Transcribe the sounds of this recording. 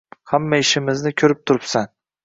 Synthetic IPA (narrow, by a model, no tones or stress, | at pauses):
hamːaɪʃɪmɪznɪkʲʰɵɾɪp̚t̪ʰʊɾɪpsan